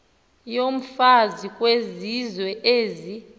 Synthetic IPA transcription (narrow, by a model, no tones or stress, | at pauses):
jom̩fazikʼwezizwɛʔeːzi